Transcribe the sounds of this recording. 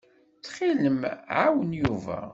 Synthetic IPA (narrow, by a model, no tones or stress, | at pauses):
t͡sːχiləmʕawənjuvæ̰